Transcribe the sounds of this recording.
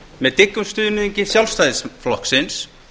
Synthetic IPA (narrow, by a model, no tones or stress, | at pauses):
mɛðt̪ɪkːʏmst̪ʏːðnʏðiɲcɪsjawlst̪ajðɪsflɔhksɪns